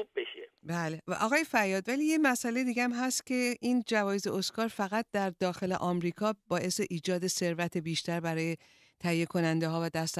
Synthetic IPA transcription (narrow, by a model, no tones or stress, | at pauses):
ubbeʃebæːleʔɒ̰ːɣɒːje̞fæɾjːɒːd̪væliːjemæsælejd̪iːɡeæmɦæst̪cʰe̞ʔind͡ʒævɒːjeze̞oskɒːɾfæɣæt̪̚d̪æɾd̪ɒːxe̞lḛʔɒːmɾiːkʰɒːbɒːʔe̞seʔiːd͡ʒɒːd̪e̞se̞ɾvæt̪ʰe̞biːʃt̪æɾbæɾɒːje | t̪ʰæhijːekʰo̞nænd̪eɦɒːvæd̪æst̪